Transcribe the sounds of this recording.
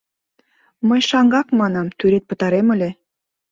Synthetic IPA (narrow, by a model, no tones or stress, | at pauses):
məjʃɑŋɡɑkmɑnɑmt̪yɾet̪̚pə̆t̪ɑɾeməlʲe